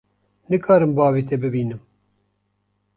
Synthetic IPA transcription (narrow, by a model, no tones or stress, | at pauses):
nɨkʰɑːɾɨmbɑːviːt̪ʰɛbɨbiːnɨm